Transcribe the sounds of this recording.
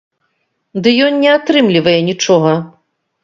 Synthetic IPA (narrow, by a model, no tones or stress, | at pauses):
d̪ɨjɔnːʲɛat̪ɾɨmlʲivɐjɛnʲit͡ʂɔɣɐ